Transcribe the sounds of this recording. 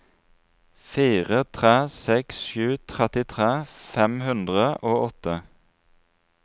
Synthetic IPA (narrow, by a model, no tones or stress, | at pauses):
fiːʁət̪ʰʁeːsɛksʃʉːt̪ʰʁɛt̪ɪt̪ʰʁeːfɛmhʉnd̪ʁəʔoːɔt̪ə